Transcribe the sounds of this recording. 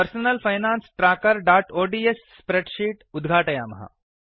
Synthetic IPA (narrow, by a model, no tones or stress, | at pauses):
pəɾsonəlfajnansʈɾakəɾɖaːʈoɖiesːpɾeʈɕiːʈud̪ɡʱaʈjamə̰ɦa̰